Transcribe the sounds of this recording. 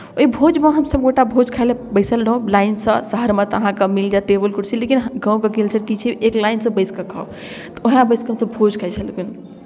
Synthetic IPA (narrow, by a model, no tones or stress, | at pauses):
oibʱod͡ʒmeɦəmsəb̚ɡoʈabʱod͡ʒkʰaelebəɪsəlɾəɦũlaɪnsə̃səɦəɾmet̪əɦãkəmild͡ʒaʈebəlkuʈsilekinɦɡãw̃kekelt͡ʃəɾkit͡ʃʰiʔeklajnsə̃bəɪskəkʰa | t̪ɔoɦãbəɪskəɦəmsəbbʱod͡ʒkʰajt͡ʃʰəlɡun